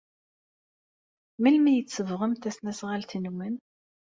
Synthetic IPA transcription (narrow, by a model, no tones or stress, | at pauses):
milmijət͡sːəvʁəmt̪æsnæsʁalθinuwən